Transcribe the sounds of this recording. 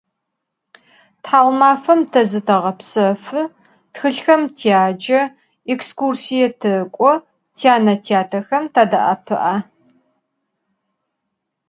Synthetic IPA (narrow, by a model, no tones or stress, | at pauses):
tħaːwmaːfɐmtʰɐzɨtʰɐʁɐpsɐfɨ | txɨɬxɐmtʰiaːd͡ʒɐ | ɛkskursijɛtʰɨkʷʼɔ | tʰiaːnɐtʰiaːtʰɐxɐmtʰaːdɐ̰ʔa̰pʰɨʔaː